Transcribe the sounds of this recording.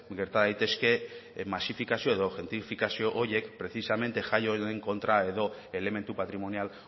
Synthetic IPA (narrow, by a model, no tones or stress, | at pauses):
ɡe̞ɾt̪aðajt̪e̞ske̞masifikasio̞e̞ðo̞ʝe̞nt̪ifikasio̞ʔoɾjekpɾe̞θisame̞nt̪e̞ʝajo̞eŋko̞nt̪ɾae̞ðo̞e̞le̞me̞nt̪upat̪ɾimo̞nial